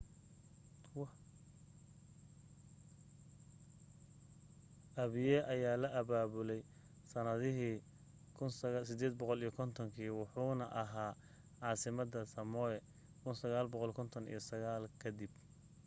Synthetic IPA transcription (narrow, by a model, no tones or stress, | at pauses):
ʔɐβɪjɛʔɐjaːlɐʔɐβaːβʊlɛj | sɐnɐðɪɦiː | kʰʊnsɐɣasɪd̪ɛːd̪̚bɔqɔlijɔkʰɔnt̪ʰɔŋkʰiːwʊħuːnɐʔɐɦaː | ʕɑːsɪmɐd̪ɐsɐmɔɛ | kʰʊnsɐɣaːlbɔqɔlkʰɔnt̪ʰɔnḭjɐsɐɣaːlkʰɐd̪ɪb